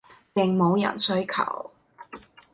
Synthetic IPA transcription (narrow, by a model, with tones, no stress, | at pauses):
pɪ˨˩ŋmo˨˧wjɐ̰˨˩nsɵ˨˥ɥkʰɐ̰˨˩w